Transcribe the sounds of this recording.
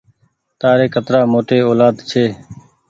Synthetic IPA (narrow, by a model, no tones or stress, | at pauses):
t̪aːɾeːkət̪ɾaːmoːʈeːoːlaːd̪t͡ʃʰeː